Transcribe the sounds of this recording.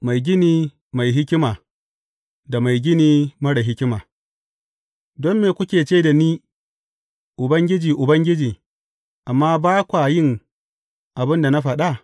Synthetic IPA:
ma˨jɡʲɪ˦niː˦ | ma˨jɦɪ˦kʲɪ˦maː˨ | da˨ma˨jɡʲɪ˦niː˦mɐ˦ɽa˨ɦɪ˦kʲɪ˦maː˨ | dɔ˦mːeː˨kʷʊ˦kʲeː˨t͡ʃeː˦da˨niː˦ | ʔʊ˨bɐ˦ŋɡʲɪ˦d͡ʒiː˨ʔʊ˨bɐ˦ŋɡʲɪ˦d͡ʒiː˨ | ʔa˨mːaː˦baː˦kʷa˨jɪ˦ŋ | ʔa˨bɪ˦nda˨na˦ɸɐ˨ɗa˦ʔ

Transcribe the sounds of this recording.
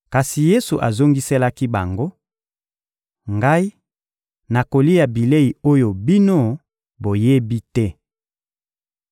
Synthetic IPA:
ka˨si˨je˦su˨ʔa˨zo˦ŋɡi˦sɛ˦la˦ki˦ba˨ŋɡo˦ | ŋɡa˦i˦ | na˨ko˨li˦ja˨bi˨le˦i˨o˦jo˨bi˦no˦ | bo˨je˦bi˦tɛ˦

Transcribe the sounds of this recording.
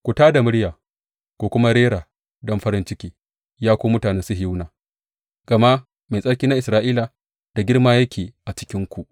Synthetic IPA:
kʷu˨taː˦da˨mʊ˦ɽjaː˨ | kʷoː˨kʷʊ˦ma˦ɾeː˦ɽaː˨ | dɔ˦mɸɐ˦ɾɪ˦nt͡ʃɪ˦kʲiː˦ | jaː˦kʷoː˦mʊ˦taː˨nɛ˦nsʊ˦ɦnaː˨ | ɡ̥ɐ˨ma˦ | me˨sʼɐ˦ɽkʲiː˦na˦ʔɪ˨sɾaː˦ʔiː˦la˨ | d̥a˨ɡʲɪ˦rmaː˦jɐ˦kʲʰeː˨ʔa˨t͡ʃɪ̥˦kʲɪ˦ŋkʷu˨ʔ

